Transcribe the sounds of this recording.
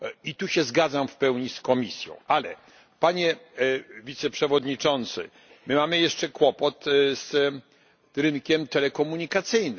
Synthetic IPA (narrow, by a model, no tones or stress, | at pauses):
it̪uɕɛzɡad̪zamfpɛwɲiskɔmʲisʲjɔ̰̃w̃ʔalɛ̰ | paɲɛ | vʲit̪sɛpʂɛvɔd̪ɲit͡ʂɔnt̪sɘ̰ | mɘmamɘjɛʂt͡ʂɛkwɔpɔt̪z | ɾɘnkʲɛmt̪ɛlɛkɔmuɲikat̪sɘjn